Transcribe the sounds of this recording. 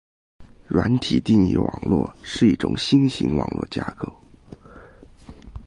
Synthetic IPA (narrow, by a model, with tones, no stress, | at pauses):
ɻwa˧˥nt̪ʰi˨˩t̪i˥˧ŋḭ˥˩wɑ˨˩ŋlwɔ̰˥˩ʂɻ̩˥˧i˥˩ʈ͡ʂʊ̰˨˩ŋɕi˥ŋɕḭ˧˥ŋwɑ˨˩ŋlwɔ̰˥˩t͡ɕja˥kɤ˥˩